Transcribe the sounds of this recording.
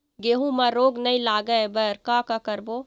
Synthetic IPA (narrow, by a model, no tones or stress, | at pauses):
ɡeɦũmaɾoːɡnəĩlaːɡəebəɾkakakəɾbo